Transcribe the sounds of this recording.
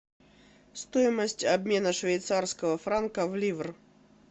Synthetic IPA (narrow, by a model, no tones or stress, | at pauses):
st̪oɪməsʲtʲɐbmʲenəʂvʲejt̪sarskəvəfɾankəvlʲivr